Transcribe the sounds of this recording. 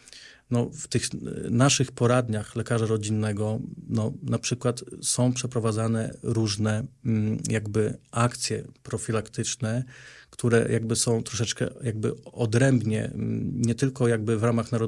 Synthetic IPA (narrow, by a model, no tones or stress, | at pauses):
nɔft̪ɘxnaʂɘxpɔɾad̪ɲaxlɛkaʐaɾɔd͡ʑinːɛɡɔnɔnapʂɘkwat̪sɔ̃w̃pʂɛpɾɔvad̪zanɛ̰ɾuʐnɛ | jaɡbɘakt̪sʲjɛ̰pɾɔfʲilakt̪ɘt͡ʂnɛkt̪uɾɛ̰jʔaɡ̚bɘsɔ̃w̃t̪ɾɔʂ̬ɛt͡ʂkɛ̰jaɡ̚bɘ̰ɔd̪ɾɛmbɲɛ̰ɲɛt̪ɘlkɔjaɡ̚bɘvɾamaxnaɾɔ